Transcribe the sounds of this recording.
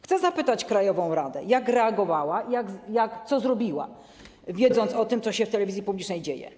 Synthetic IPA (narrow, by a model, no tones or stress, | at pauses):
xt̪sɛzapɘt̪at͡ɕkɾajɔvɔ̃w̃ɾad̪ɛ̰jakɾɛaɡɔvawaijaɡjakt̪sɔzɾɔbʲiwa̰ | vʲjɛd̪zɔnt̪sɔt̪ɘmt̪sɔɕɛft̪ɛlɛvʲizʲjipublʲit͡ʂnɛjd͡ʑejɛ̰